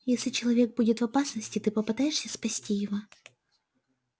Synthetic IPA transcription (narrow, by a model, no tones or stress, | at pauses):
jesʲlʲɪt͡ɕɪlˠɐvʲe̞ɡ̚budʲɪt̪vɐpasnəsʲtʲɪt̪ɨpəpɨt̪ajɪʂsʲəspɐsʲtʲijɪvo